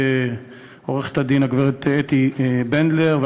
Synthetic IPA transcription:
oʁeχe̥t̪ad̪inaɡveʁet̪et̪ibend̪leʁve

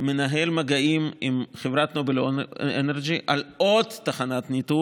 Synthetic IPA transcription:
menaɦelmaɡaʔimimχevʁat̪nobeloeneʁɡiʔalʔod̪ːaχanat̪nit̪u

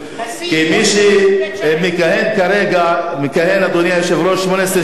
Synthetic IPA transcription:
kimiʃi | mekahenkaɾeɡamekahenad̪onjajeʃevɾoʃmonesɾe

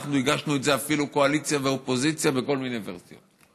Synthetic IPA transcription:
χnuiɡaʃnuetzeafiluko̞alit͡sjaveopo̞zit͡sjabe̞ko̞lminejvḛʁsijot

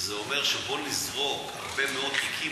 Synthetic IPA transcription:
zeome̞ʁʃebo̞nizʁo̞kha̰ʁbe̞meo̞d̪χikʰi

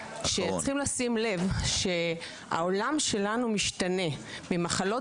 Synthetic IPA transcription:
ʃet͡sχimlasimle̞vʃe̞ | a̰o̞lamʃe̞lanumiʃtane̞ | mimaχalo̞

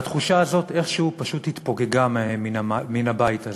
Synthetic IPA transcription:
at̪χuʃaːzo̞t̪e̞χʃehupaʃuthit̪po̞ɡe̞ɡamminamaminabaita

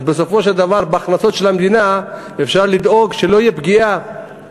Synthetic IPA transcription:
beso̞fo̞ʃeld̪avaʁbeaχnaso̞t̪ʃelhamd̪ina | efʃaʁlid̪o̞ɡʃelo̞ijebɡia

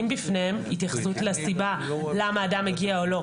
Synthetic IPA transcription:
imbifnehemit̪jaχsutleasibalamaːdameɡiaolo̞

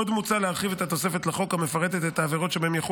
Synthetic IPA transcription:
od̪mut͡saleaʁχivet̪hat̪o̞se̞fe̞t̪laχo̞khame̞faʁet̪et̪et̪aːveʁo̞t̪ʃebaemjaχo

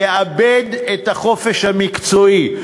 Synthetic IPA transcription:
eabed̪etaχo̞fe̞ʃhamikt͡soi

